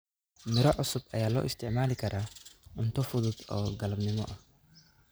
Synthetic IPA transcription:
mɪɾɔʕʊsʊbʔɐ̰jaːlɔ̰ːʔɪst̪ʰɪʕmaːlɪkʰɐɾʔaːʊnt̪ʰɔfʊðʊd̪ɔːɡɐlɐbnɪmɔ̰ʔɐh

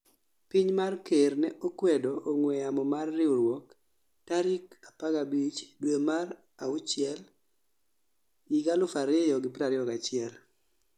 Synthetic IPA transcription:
piɲmarkernɛʔokwɛdɔʔːŋwɛamɔmarːɪoɾwɔk | taɾikapaɡabit͡ʃdwemar | aʊt͡ʃɪɛl | jiɡalʊfaɾejɔɡɪpɾaɾɪɔkat͡ʃɪɛl

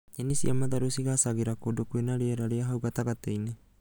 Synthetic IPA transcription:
enisiʔamat̪aɾosiɡasaɡiɾakodokuenaɾeaɾaɾeaɦawɡat̪aɡat̪ejne

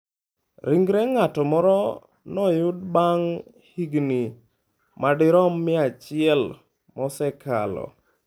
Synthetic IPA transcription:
ɾiŋɡɾɛŋatɔmɔɾɔ | nɔjʊd̚baŋ | hiɡni | madɪɾɔmːɪat͡ʃɪɛl | mɔsɛkʰa̰lɔ̰

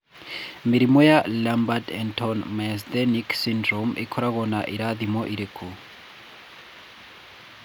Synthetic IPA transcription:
mɪɾimɔjalambadɛntʰɔnmɛsd̪ɛniksindɾɔmḭkʰɔɾaɣɔnaʔiɾad̪imɔʔiɾɛkʰo

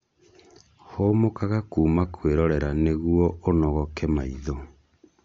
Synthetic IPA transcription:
homokaɣakuːmakʰweɾɔɾɛɾaneɣuɔʔonɔɣɔkɛmaiðo

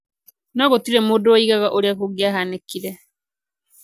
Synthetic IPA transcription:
naɣotiɾɛmodoaiɣaɣaʔoɾeakoɡjaɦanekiɾɛ

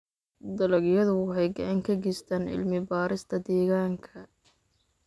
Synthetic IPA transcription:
d̪ɐlɐɡjɐðʊwɑħɑjɡɑʕɑŋkʰɐɡɛst̪ʰaːnɪ̰lmɪbaːɾɪst̪ʰɐd̪ɛːɣaːŋkʰɐ

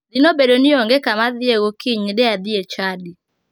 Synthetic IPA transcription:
ðinobedonioŋɡekamaðieɣokiɲdɛaðiet͡ʃadi

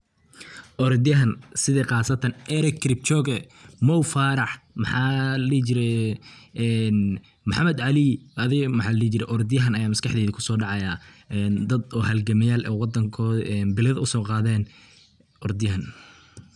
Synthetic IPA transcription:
ʔɔɾd̪ɪjɐɦɐnsɪðɛːqɑːsɐt̪ʰɐnʔɛɾɛkʰɾɪp̚t͡ʃɔːɡɛmɔwfaːɾɑħmɑħɑːlit͡ʃɪɾɛ | ɛn | mʊħɑmɛd̪ʕɑlɪʔɐðɪɣmɐħɑːlliːt͡ʃɪɾɛ̰ʔɔɾd̪ɪjɐɦɐnɐjaːmɐskɑħd̪ɛːðɪkʰʊ̥sɔːɖɑʕɑjaːɛnd̪ɐd̪ɔːhɐlɡɐmɐjaːlʔɛ̰ːwɑd̪ɐŋkʰɔːʔɛnbɪlɐðɐʊsɔːqɑːðɛːn | ʔɔɾd̪ɪjɐɦɐn

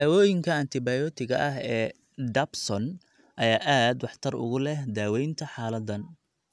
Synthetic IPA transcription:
d̪aːwɔːjɪŋkʰɐɐnt̪ʰɪbɐjɔt̪ʰɪɣɐ̰ʔɐɦɛː | ɖ̪ɐbsɔn | ʔɐjaːʔaːd̪wɑħt̪ʰɐrʊ̰ɣʊlɛhd̪aːwɛjnt̪ʰɐħɑːlɐd̪ɐn

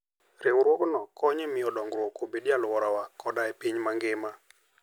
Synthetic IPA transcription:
ɾɪwɾwoɡnɔkʰɔɲemɪjɔdɔŋɡɾwokobidjalwɔɾawakʰɔdaɛpiɲmaŋɡɪma

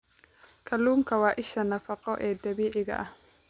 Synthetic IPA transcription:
kʰɐluːŋkʰɐwɑːʔɪʃɐnɐfɑqɔʔɛːd̪ɐβiːʕɪɣɐ̰ʔɐh

